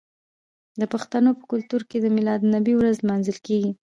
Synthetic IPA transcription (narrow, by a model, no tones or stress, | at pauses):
d̪əpaxt̪anopə̥kʊlt̪uɾked̪əmɪlɑd̪nabiwɾazlmɑnzəlkeɡi